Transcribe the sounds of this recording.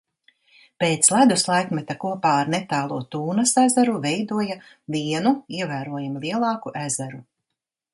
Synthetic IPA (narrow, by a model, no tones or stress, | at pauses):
peːt̪slˠæd̪uslˠajkmɛt̪akuɔpaːaɾnet̪aːlˠuɔt̪uːnɐsæzæɾuvɛjd̪uɔja | viɛnuiɛvæːɾuɔjamlˠiɛlˠɑːkuʔæzæɾu